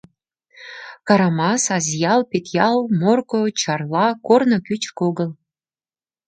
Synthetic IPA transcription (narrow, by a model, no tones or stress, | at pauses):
kɑɾɑmɑsɑzʲjɑlpʲet̪jɑlˠmorkot͡ɕɑrlˠɑkornŏkʲyt͡ɕkoɡə̆l